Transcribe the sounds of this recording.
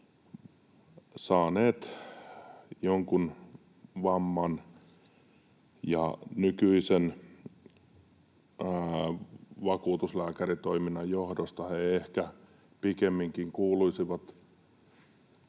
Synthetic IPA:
sɑːneːt̪ | joŋkun | ʋɑmːɑn | jɑ̰nykyisen | ʋɑkuːt̪uslæːkærit̪oiminːɑjjohdost̪ɑheehkæ | pikemːiŋkiŋkuːluisiʋɑt̪

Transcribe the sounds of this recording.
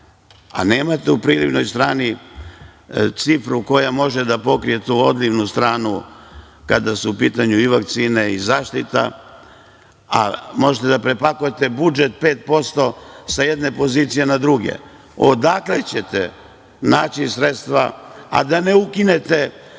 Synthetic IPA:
a̰neːmat̪ɛupɾiːlibno̞jst̪ɾaːni | t̪sifɾuko̞jamo̞ʒed̪apo̞kɾije̞t̪uod̪liʋnust̪ɾaːnu | kad̪asuupiːt̪aɲuiʋakt̪siːne̞izaːʃt̪it̪a̰ | a̰mo̞ʒet̪ed̪apɾepakujet̪e̞bud͡ʒe̞t̪̚peːt̪̚po̞st̪o̞sajed̪ne̞po̞ziːt̪sijenad̪ɾuɡe̞̰ | od̪aklet͡ɕe̞t̪ḛ | naːt͡ɕisɾet̪st̪ʋa̰a̰d̪ane̞ukine̞t̪e

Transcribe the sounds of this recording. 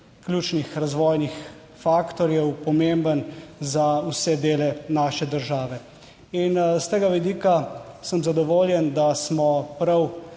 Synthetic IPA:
klʲjuːt͡ʃnixɾazʋɔːjnix | faːkt̪ɔɾjɛwpɔmembənzausɛd̪eːlɛnaːʃɛd̪əɾʒaːʋɛ | inst̪eːɡaʋɛd̪iːkasəmzad̪ɔʋoːljɛnd̪asmɔpɾɐw

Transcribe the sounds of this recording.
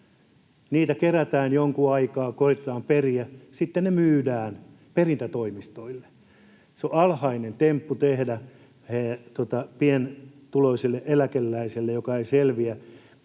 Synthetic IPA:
niːt̪ækeræt̪æːnjoŋkuɑikɑːkorit̪et̪ɑːmperiæsit̪ːennemyːdæːn | perint̪æt̪oimist̪oilːe̥ | seoʔɑlhɑinent̪empːut̪ehdæ | het̪uot̪ɑpient̪uloisilːeʔelækelːæiselːejokɑeiselʋiæ

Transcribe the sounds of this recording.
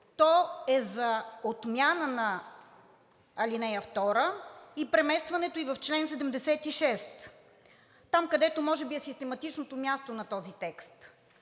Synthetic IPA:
t̪ɔɛzɐot̪mjanənɐ | ɐlinɛjəft̪ɔɾəipɾɛmɛst̪vɐnɛt̪oivɐft͡ʃlɛnsɛd̪ɛmd̪ɛsɛt̪iʃɛst̪ː | amkɐd̪ɛt̪omɔʒɛbiɛsist̪ɛmɐt̪it͡ʃnot̪omʲjast̪onɐt̪ɔzit̪ɛkst̪

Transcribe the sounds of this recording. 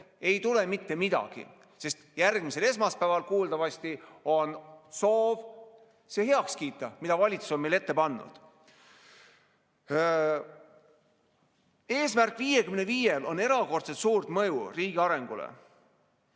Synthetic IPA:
e̞jt̪ule̞mit̪ːe̞mid̪̥ɑ̰ɡ̥ḭ | se̞st̪jærɡmise̞le̞smɑspæːvɑlkuːld̪ɑvɑst̪io̞nso̞ːv | se̞he̞ɑkskiːt̪ːˑɑmid̪ɑvɑlʲit̪su̥so̞nmejle̞t̪ːe̞pɑnːṵd̪̥ | e̞ːsmærkˑviːjekymneviːjelo̞ne̞ɾɑko̞rt̪set̪suːrt̪mɤjuriːɡ̥iɑɾe̞ŋɡ̥ulḛ

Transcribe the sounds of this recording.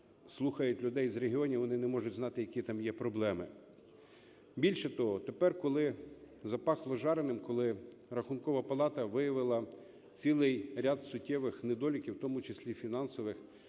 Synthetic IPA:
slˠuxɐjʊtʲlʲʊd̪ɛjzɾeɦiɔnʲiʋɔnɪnɛmɔʒʊtʲznɑt̪ɪjɐkʲit̪ɑmjɛpɾɔblˠɛmɪ | bʲilʲʃɛt̪ɔɦɔt̪epɛrkɔlˠɪ | zɐpɑxlˠɔʒɑɾenɪmkɔlˠɪ | rɐxʊnkɔʋɐpɐlˠɑt̪ɐʋɪjɐʋɪlˠɐ | t͡sʲilˠɪjɾʲad̪sʊtʲːɛʋɪxned̪ɔlʲɪkʲiwt̪ɔmʊt͡ʃesʲlʲifʲinɑnsɔʋɪx

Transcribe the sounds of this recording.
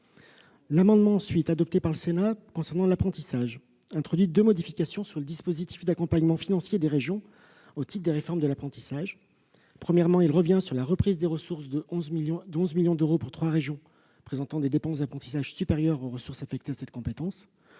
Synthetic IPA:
lamɑ̃d̪mɑ̃ːsɥit̪ad̪ɔp̚t̪epaʁləsenakɔ̃sɛʁnɑ̃lapχɑ̃t̪isaʒ | ɛ̃t̪χɔd̪ɥid̪ømɔd̪ifikʲasjɔ̃syʁləd̪ispozit̪i̥fd̪akɔ̃paɲmɑ̃finɑ̃sjed̪eʁeʒjɔ̃ | ot̪it̪̚d̪eʁefɔʁmd̪əlapχɑ̃t̪i̥saʒ | pχəmjɛʁmɑ̃ilʁəvjɛ̃syʁlaʁəpχizd̪eʁəsuʁsd̪əɔ̃zmijɔ̃d̪ɔ̃zmiljɔ̃d̪øʁopuʁt̪χwaʁeʒjɔ̃ | pχezɑ̃t̪ɑ̃d̪ed̪epɑ̃sd̪apχɑ̃t̪i̥saʒsypeʁjœʁoʁəsuʁsafɛk̚t̪easɛt̪kɔ̃pet̪ɑ̃s

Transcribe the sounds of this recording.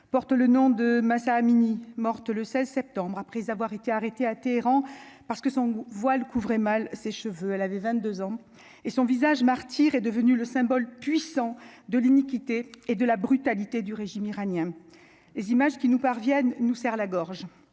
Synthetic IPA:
pɔʁt̪lənɔ̃d̪əmasaːminimɔʁt̪ləsɛzsɛp̚t̪ɑ̃bʁapχɛzavwaʁet̪eaʁet̪eat̪eːʁɑ̃paʁsə̥kəsɔ̃vwalkuvʁɛmalseʃəvøɛlavɛvɛ̃t̪̚d̪øzɑ̃ | esɔ̃vizaʒmaʁt̪ʰiʁɛd̪əvənyləsɛ̃bɔlpɥisɑ̃d̪əlinikʲit̪eːd̪əlabʁyt̪alit̪ed̪yʁeʒimiʁanjɛ̃ | lezimaʒkʲinupaʁvjɛnːusɛʁlaɡɔʁʒ

